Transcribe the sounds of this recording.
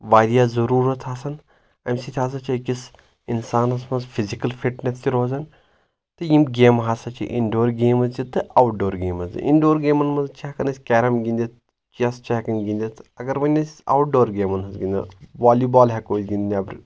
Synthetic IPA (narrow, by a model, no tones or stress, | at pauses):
ʋaːɾijaːzɐɾuːɾɐt̪ɦaːsɐn | emsit̪ʰʲɦaːs̬ɐt͡ʃʰɐkis | insaːnɐsmɐnzfʰizikɐlfiʈnest͡ʃiɾoːzɐn | t̪ɨjimɡeːmɦaːsɐt͡ʃʰḭʔḭɳɖoːɾɡeːmɐzt͡ʃit̪ɨawʈ̚ɖoːɾɡeːmɐzd͡ʒḭʔiɳɖoːɾɡeːmɐnmɐnzt͡ʃeɦkɐnɐsʲkɛːɾɐmɡĩnd̪ʲit̪ | t͡ʃiɐst͡ʃeːkɐnɡĩnd̪ʲit̪ɐɡɐɾʋɐnʲːɐsa̰wʈ̚ɖoːɾɡeːmɐnɦɐzɡind̪ɐ̰ʋaːlibaːlɦɛkoːd͡ʒɡind̪ʲnʲɐbɾ